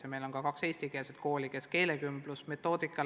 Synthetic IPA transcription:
ɑme̞jlo̞nkɑkɑkse̞jsʲt̪ikelset̪̚ko̞ːlʲike̞ske̞ːlekymblusme̞t̪ːˑo̞ːd̪̥ikːˑɑ

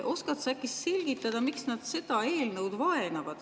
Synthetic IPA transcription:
ʔo̞skɑt̪sækːˑisːe̞lʲɡ̥it̪ːˑɑd̪̥ɑmiksnɑd̪̥se̞d̪̥ɑe̞ːlnɤwd̪vɑe̞nɑvɑd̪̥

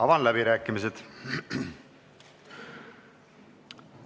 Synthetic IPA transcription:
ɑvɑnlæbiɾæːkːˑimis̬ed̪̥

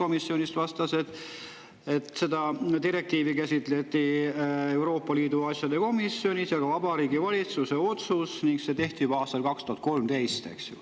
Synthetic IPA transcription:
o̞misːjo̞nʲist̪vɑst̪ɑse̞t̪ | e̞t̪se̞d̪ɑd̪iɾe̞k̚t̪iːvikæsʲit̪ˑle̞t̪ːˑie̞wɾo̞ːpːɑliːd̪uɑsʲjɑd̪e̞ko̞misjo̞nʲisjɑɡ̥ɑvɑb̥ɑɾiːɡivɑlʲit̪suse̞o̞t̪susniŋɡse̞t̪e̞ht̪ib̥ɑːst̪ɑlkɑkst̪uhɑt̪̚ko̞lmt̪e̞jst̪e̞̰ksjṵ

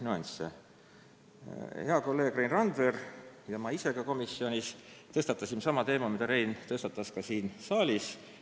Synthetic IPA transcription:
nyɑnʲsḛ | heɑko̞lːe̞ːɡ̥rejnrɑnd̪verjɑmɑise̞ɡ̥ɑko̞misio̞nʲist̪ɤst̪ɑt̪ːˑɑsimsɑmɑt̪e̞ːmɑmid̪ɑɾe̞jnt̪ɤst̪ɑt̪ːˑɑskɑsiːnsɑːlʲis

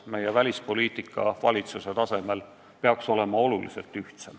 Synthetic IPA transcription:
me̞jevælʲispo̞liːt̪ˑikːˑɑ̰vɑlʲit̪suse̞t̪ɑse̞me̞l | peɑkso̞le̞mɑo̞lulḭse̞lt̪yht̪sem

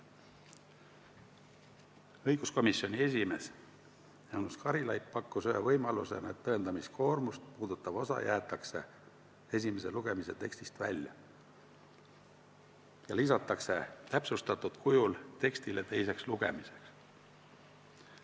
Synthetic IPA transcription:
ɤjɡ̥usko̞misjo̞nʲie̞s̬ʲime̞s | jɑwnuskɑɾilɑjppɑkːusyhevɤjmɑlṵse̞̰nɑet̪ːɤend̪̥ɑmiskʰo̞ːrmust̪̚puːd̪̥ut̪ːˑɑb̥o̞sɑ̰jʔæːt̪ːˑɑkse̞̰ | e̞s̬ʲime̞se̞luɡ̥e̞mise̞t̪e̞kst̪ist̪væ̰lʲjɑ̰ | jɑlisɑt̪ːˑɑkse̞t̪æpsust̪ɑt̪ːud̪̥kujult̪e̞kst̪ile̞t̪e̞jse̞ksluɡ̥e̞̰mise̞̥ks

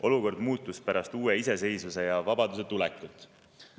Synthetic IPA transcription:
ʔo̞luko̞rd̪̥muːt̪ːˑuspæɾɑst̪uːe̞ise̞se̞jsuse̞jɑvɑbɑd̪use̞t̪ulɛkːˑut̪ːˑ

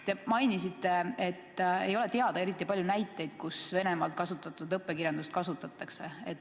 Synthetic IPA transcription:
t̪emɑjnisit̪ːˑe̞e̞t̪ːejo̞lɛt̪e̞ɑd̪̥ɑe̞ɾit̪ˑːipɑljunæjt̪ːˑe̞jd̪̥̚kusve̞ne̞mɑlt̪̚kɑsut̪ːˑɑt̪ːˑud̪ɤpːˑekirjɑnd̪ust̪̚kɑsut̪ːˑɑt̪ːˑɑkse̞et̪ː

